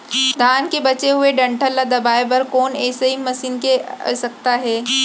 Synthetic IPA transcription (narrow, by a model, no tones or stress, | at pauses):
d̪ʱaːnkebɐt͡ʃeɦʊeɖɐ̃ɳʈʰəlːad̪ɐbaːebɐɾkoːnɛːseɦimɐsiːnkeɐ̰sɐk̚t̪aɦɛː